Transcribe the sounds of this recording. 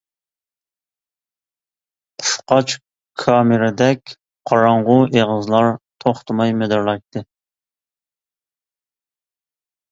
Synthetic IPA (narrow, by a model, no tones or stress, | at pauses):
fqɑt͡ʃ | kʰɑmɪɾɛd̪ɛkʲ | qʰɑɾɑɴʁʊʔeʁəzlˠɑɾt̪ʰoχt̪ʰɨmɑjmed̪ɑɾlˠɑjk̚t̪ɨ